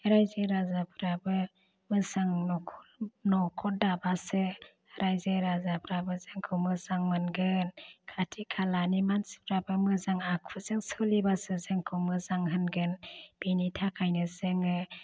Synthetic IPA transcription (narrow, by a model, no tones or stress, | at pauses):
ɾajzeɾazapʰɾabɯ | mɯsaŋnɔkʰɔnɔkʰɔt̚dabasɯ | ɾajzeɾazapʰɾabɯzɯŋkʰɯwmɯzaŋmɯnɡɯnkʰatʰikʰalanimansi̥p̚ʰɾabɯmɯzaŋakʰuzɯŋsɯlibasɯzɯŋkʰɯwmɯzaŋɦɯnɡɯnb̥initʰakʰajnɯzɯŋɯ